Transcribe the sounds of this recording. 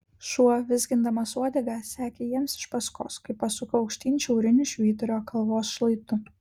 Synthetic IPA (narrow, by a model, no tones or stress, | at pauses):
ʃuɔʋʲɪzɡʲɪnd̪ɐmɐsuɔd̪ʲɛɡʲæsʲæːkʲeːjiɛmsɪ̥ʃpɐsko̰ːskɐɪpːɐsʊkɐɐʊkʃʲt̪ʲiːnʲʃʲɛʊɾʲɪnʲʊʃʲʋʲiːt̪ʊɾʲoːkɐlˠʋoːsʃlˠɐɪt̪ʊ